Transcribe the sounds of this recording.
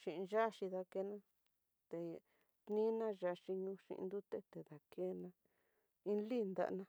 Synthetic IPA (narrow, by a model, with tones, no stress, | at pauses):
ʃĩ˨ʔʒa˦ʃi˧ða˧ke˧˦nã˦ | t̪e˨ | t̪nĩ˦nã˦ʒa˧ʃi˧ɲũ˧ʃḭ˧ʔnd̪u˦t̪e˦t̪e˨ða˨kʰe˦nã˧ | ĩ˦li˦˨nd̪a̰˧ʔnã˧